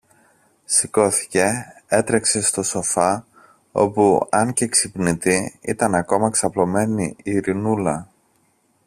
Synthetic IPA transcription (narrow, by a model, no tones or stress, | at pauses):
siko̞θi̥ce̞et̪ɾe̞kse̞st̪o̞so̞fɐ | o̞̰puɐɲce̞ksipnit̪iit̪ɐnɐko̞mɐksɐplo̞me̞niiɾinulɐ